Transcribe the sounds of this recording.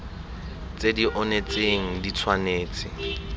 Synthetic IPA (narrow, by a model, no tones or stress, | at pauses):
t͡sʼediʔɔnet͡sʼeŋ̩dit͡sʰwaneːt͡sʼɪ